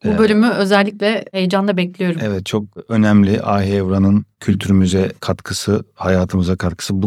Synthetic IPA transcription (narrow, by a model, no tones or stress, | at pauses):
bubø̞lʲymyø̞zɛlʲːiclʲɛhejd͡ʒanlˠabɛclʲijo̞ɾuɛvɛt̪̚t͡ʃʰo̞k̚ø̞næmlʲiʔaːɦiːvɾanɯncʰylʲt̪ʰyɾmyzɛkʰat̪kʰɯsɯhajaːt̪ʰɯmɯzakʰaɾkʰɯ̥sɯbu